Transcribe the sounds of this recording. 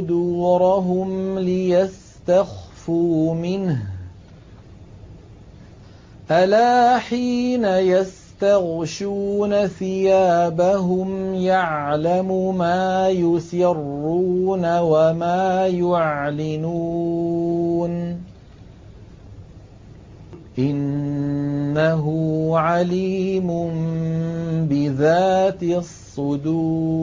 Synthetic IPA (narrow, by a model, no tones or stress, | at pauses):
d̪uːɾˤɑɦʊmlɪjas | t̪axfuːmɪnh | ʔalaːħiːnajas | t̪aɣʃuːnaθɪjaːbaɦʊmjaʕlamʊmaːjʊsɪrːuːnawamaːjʊʕlɪnuː | n | ʔɪnː | aɦʊʕaliːmʊm | bɪðaːt̪ɪsˤːʊd̪uː